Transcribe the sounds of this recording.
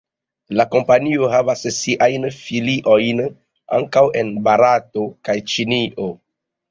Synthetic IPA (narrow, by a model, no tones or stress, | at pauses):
lako̞mpanio̞ɦavassiʔajnfiliʔo̞jn | a̰ŋkawe̞nbaɾato̞kajt͡ʃiniʔo